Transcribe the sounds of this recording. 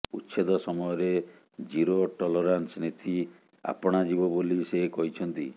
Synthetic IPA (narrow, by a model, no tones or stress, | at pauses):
utːʃʰed̪ɔsɔmɔjɔɾe | d͡ʒiɾoʈɔlɔɾansnet̪ʰi | a̰pɔɽ̃ad͡ʒibɔbolisekɔɦit͡ʃʰɔnt̪i